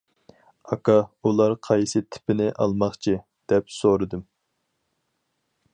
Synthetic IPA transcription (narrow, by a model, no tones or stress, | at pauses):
ɑkɑulˠɑɾqʰɑjsɨt̪ʰɪ̥pɪnɪʔɑ̰lˠmɑχt͡ʃʰi | d̪̥ɛpsoɾɨd̪ɨm